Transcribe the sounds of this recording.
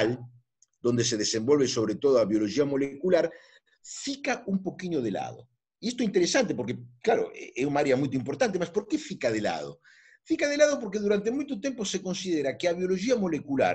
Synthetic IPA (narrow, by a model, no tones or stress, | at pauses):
l | d̪̥ond̪eseðesembolβesoβ̞ɾet̪oðoaβjoloʒiamolekulaɾ | fikaumpokiɲoð̞ela̰ðo̰ | iest̪oeint̪eɾesant̪̬epoɾkeklaɾo̰ḛeunaaɾeamujt̪oimp̬oɾt̪ant̪̬emaspoɾkefikaðela̰ðo̰ | fikaðelaðop̬oɾkeðuɾant̪emujt̪ot̪emposekõnsiðeɾakeaβ̞joloʒiamolekula̰ɾ